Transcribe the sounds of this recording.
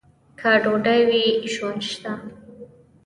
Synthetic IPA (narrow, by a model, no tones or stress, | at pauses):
kʰaɖoɖajwiʒwand̪ʃt̪a